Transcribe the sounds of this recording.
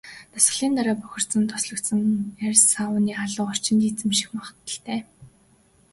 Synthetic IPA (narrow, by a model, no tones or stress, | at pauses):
t̪ʰʊsɢ̆ɮiːnt̪aɾaːpʊxʲɪ̆r̥t̪sə̆nt̪ʰʊ̥sɮɞ̆kt̪sə̆ŋærʲsaʊniːχaɮʊːɔr̥t͡ɕɪ̆nt̪iːt͡sɘ̆mʃi̥xmaχə̥̆t̪ːə̆ɬt̪eː